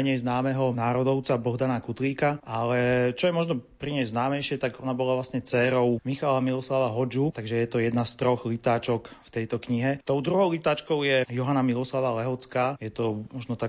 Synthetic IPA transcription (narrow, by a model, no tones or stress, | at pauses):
ɛɲɛjznaːmɛɦɔnaːɾɔd̪ɔʊt͡sabɔɦd̪anakut̪liːkaʔalɛt͡ʃɔjɛmɔʒnɔpɾiɲɛznaːmɛjʃɪɛt̪aɡɔnabɔlaʋlasɲɛt͡sɛːɾɔʊmixalamilɔslaʋaɦɔd͡ʒut̪aɡʒɛjɛt̪ɔjɛd̪nast̪ɾɔxlit̪aːt͡ʃɔkft̪ɛjt̪ɔkɲiɦɛt̪ɔʊd̪ɾuɦɔʊlit̪aːt͡ʃkɔʊjɛjɔɦanamilɔslaʋalɛɦɔt͡skaːjɛt̪ɔmɔʒnɔt̪ak